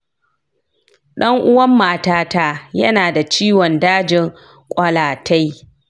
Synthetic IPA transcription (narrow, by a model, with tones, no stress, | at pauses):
ɗɐ˦ŋʔʊ˦wɐ˦mːaː˨taː˦taː˦jɐ˦naː˨da˨t͡ʃiː˦wɔ˨ndaː˦d͡ʒɪ˨ŋ | kʷʼɐ˨laː˨tʰa˦j